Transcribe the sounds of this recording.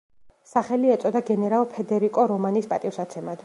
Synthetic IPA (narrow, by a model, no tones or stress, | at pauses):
saχɛliɛt̪sʼɔd̪aɡɛnɛɾalˠpʰɛd̪ɛɾikʼɔɾɔmanispʼat̪ʼifsat̪sʰɛmad̪̥